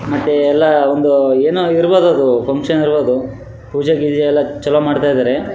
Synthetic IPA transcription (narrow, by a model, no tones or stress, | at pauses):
mɐt̪ːeɛlːɐond̪ueːnoiɾboːd̪oɐd̪upʰɐŋkʂɐniɾboːd̪u | puːd͡ʒaɡid̪eɛlːɐt͡ʃɐlːɐmaːɖt̪ajd̪aːɾe